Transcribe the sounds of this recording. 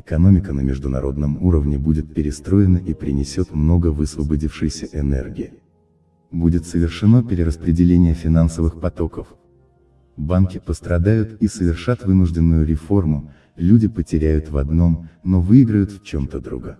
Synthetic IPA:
ɪkɐno̞mʲɪkənəmʲɪʐd̪ʊnɐ̰ɾo̞̰d̪nəmuɾəvnʲɪbudʲɪt̪̚pʲɪɾʲɪst̪ɾo̞jɪnəʔipɾʲɪ̰nʲɪsʲo̞t̪mno̞ɡəvɨsvəbɐdʲifʂɨjsʲəʔɛnɛ̰rɡʲɪɪ | budʲɪt̪səvʲɪrʂɨnopʲɪɾʲɪɾəspɾʲɪdʲɪlʲenʲɪjəfʲɪnansəvɨxpɐt̪o̞kəf | bankʲɪpəst̪ɾɐd̪ajʊt̪isəvʲɪrʂat̪vɨnʊʐdʲɪnːʊjʊɾʲɪfo̞rmʊ | lʲudʲɪpətʲɪɾʲæjʊt̪vɐ̰d̪no̞mno̞vɨiɡɾəjʊt̪ft͡ɕo̞mt̪əd̪ɾuɡə

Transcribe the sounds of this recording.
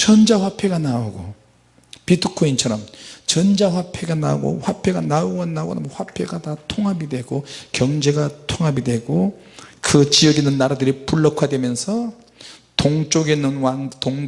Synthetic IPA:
t͡ɕʌnd͡ʑaɸwapʰe̞ɡanaoɡo | pitʰukʰoint͡ɕʰʌɾʌmt͡ɕʌnd͡ʑaɸwapʰe̞ɡanaɡo̰ɸwapʰe̞ɡanauɡʌnaɡo̰nmɸwapʰe̞ɡatatʰoŋɦabidwe̞ɡokjʌŋd͡ʑe̞ɡatʰoŋɦabidwe̞ɡo | kɯt͡ɕiʌɡenɯnːaɾadɯɾipuɭːʌkʰwadwe̞mjʌnsʰʌ | toŋt͡ɕ͈oɡenɯnwantoŋ

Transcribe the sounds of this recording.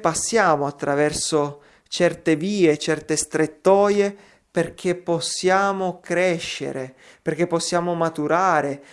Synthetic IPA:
pasːjaːmoat̪ːɾavɛrso | t͡ʃɛrt̪eviːet͡ʃɛrt̪est̪ɾet̪ːɔːje | perk̟ʰepːɔsːjaːmokɾɛʃːḛɾe | perk̟epːɔsːjaːmomat̪uɾaːɾe

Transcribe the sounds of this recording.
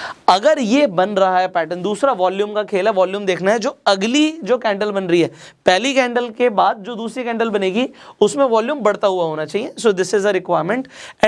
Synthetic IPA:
ɐɡəɾjebɐ̃nɾɐɦaɦɛpɛːʈə̃nd̪uːsɾaʋɔːljũːmkakʰeːlɛʋɔːljuːmd̪eːkʰnaɦɛd͡ʒoːɐɡlid͡ʒoːkɛ̃ːɳɖəlbɐnɾɐiɦɛː | pɛɦːlikɛ̃ːɳɖəlkebaːd̪̚d͡ʒoːd̪uːsɾikɛ̃ːɳɖəlbɐneːɡiʊsmẽʋɔːljũːmbɐɽ̤t̪aɦʊaɦoːnat͡ʃaːɦiesoːd̪ɪsɪzəɾɪkwaːɪɾmə̃ɳʈɛ̃

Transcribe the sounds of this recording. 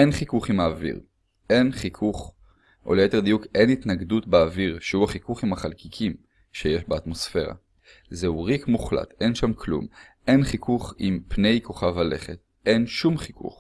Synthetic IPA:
ʔenχikuχimaːvḭʁ | ʔe̞nχikʰuχ | ʔoljeted̪ijuke̞nit̪naɡdutbeːviʁʃehuhaχikuχimhaχalkikʰim | ʃejeʃbeat̪mo̞sfe̞ʁa̰ | zeuʁikmuχla̰tʔe̞nʃamkʰlṵm | ʔe̞nχikʰuχimpne̞jko̞χavhale̞χet̪̚ | ʔe̞nʃumχikṵχ

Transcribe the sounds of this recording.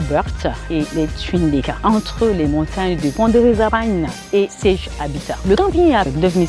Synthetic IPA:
bœʁt̪eletɥĩnd̪ekaʔɑ̃t̪χəlemɔ̃t̪aɲd̪əpɑ̃d̪øʁezabaɲ | esɛʒ | abit̪aləkɑ̃piɲɛ̃ad̪øvni

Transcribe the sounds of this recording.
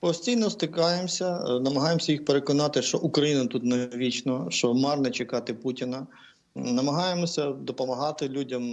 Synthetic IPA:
pɔsʲtʲijnɔst̪ɪkɑjemsʲɐnɐmɐɦɑjemsʲɐjixpeɾekɔnɑt̪ɪʃt͡ʃɔʔukɾɐjinɐt̪ut̪neʋʲit͡ʃnɔʃt͡ʃɔmɑrnɛt͡ʃekɑt̪ɪputʲɪnɐ | nɐmɐɦɑjemɔsʲɐd̪ɔpɔmɐɦɑt̪ɪlʲudʲɐm

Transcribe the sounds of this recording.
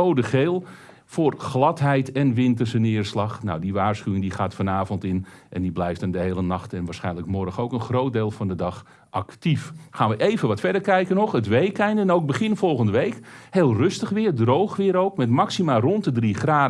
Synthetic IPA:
owdəχeːlˠ | fʊːrχlɑtɦɛjtɛnʋɪntəsənɪːrslɑχna̰wdiʋaːɹsχyʋɪŋdiχaːtfɔnaːvɔntɪnʔɛ̰ndiblɛjftəndəɦejlənɑχtɛnʋaːsχɛjnləkmɔɾəxowkənχrowt̚deːlˠvɑndədɑχ | ʔɑktifχaːnʋəʔejvənʋɑtfɛdəɹkɛjkənɔχətʋejkɛjndəɛnowɡ̚bəχɪnfɔlˠχəndəʋejkheːlˠrɵstəχʋɪːɹdrowχʋɪːɾowkmɛtmɑksimaːrɔntdədriχraː

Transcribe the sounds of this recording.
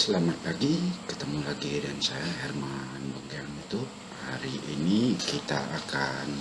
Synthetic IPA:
səlamat̪̚paɡikət̪əmulaɡidansajahɛrmanbəŋɡaŋit̪u | haɾiʔːnikit̪a̰akan

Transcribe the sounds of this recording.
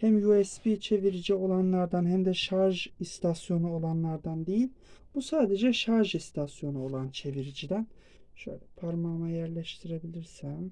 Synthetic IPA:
hæmjuɛspit͡ʃʰe̞viɾid͡ʒio̞lˠanlˠaɾd̪anɦæmd̪ɛʃaɾʒist̪ʰasjo̞nuolˠanlˠaɾd̪and̪ejilʲb̥usaːd̪ed͡ʒɛʃaɾʒist̪ʰasjo̞nuo̞lˠant͡ʃʰe̞viɾid͡ʒid̪æn | ʃø̰jlʲɛpʰaɾmamajæɾlʲɛʃt̪ʰiɾe̞bilʲiɾsæm

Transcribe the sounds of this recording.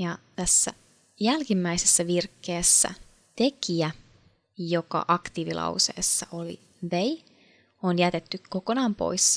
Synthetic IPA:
jɑt̪æsːæ̰ | jælkimːæisesːæʋirkːe̞ːsːæ̰ | t̪e̞kiæ | jo̞kɑ̰ʔɑkt̪iːʋilʔɑ̰wse̞̰ːsːɑʔo̞lḭ | ʋej | onjæt̪e̞t̪ːykkːo̞ko̞nɑːmpo̞̰js

